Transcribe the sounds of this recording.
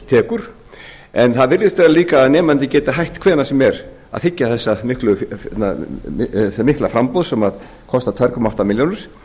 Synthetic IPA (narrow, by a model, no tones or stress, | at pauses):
t̪ʰɛːkʏɾ̥ | ɛnθaðvɪɾðɪst̪vɛːɾaliːkaːðnɛːmant̪ɪcɛːt̪aɦajht̪kʰv̥ɛːnasɛmɛɾ | a̰ðθɪcːaθɛsːamɪhklʏfna̰ | ɛsamɪhklafɾampɔwðsɛmað | kʰɔst̪at̪ʰajɾkʰɔmaaft̪amɪljownɪɾ̥